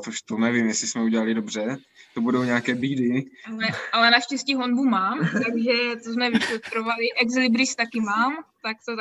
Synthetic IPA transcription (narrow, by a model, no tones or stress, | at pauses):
oʃt̪onɛvɪmjɛsɪsmɛuɟɛlalɪdobr̝ɛ | t̪obudo̞wɲɛakɛːbiːdɪalɛʔalɛnaʃcɛsciːɦonbumaːmt̪aɡʒɛt̪ozmɛvɪflɛt̪ɾovalɪʔɛɡzlɪbɾɪst̪akɪmaːmt̪ak̚t̪o